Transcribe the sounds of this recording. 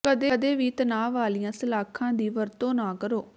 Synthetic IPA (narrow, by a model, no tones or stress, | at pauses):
kəd̪eːd̪eːʋiːt̪ənaːʋaːlɪjãːsəlaːkʰãːd̪iːʋəɾt̪õːnaːkəɾoː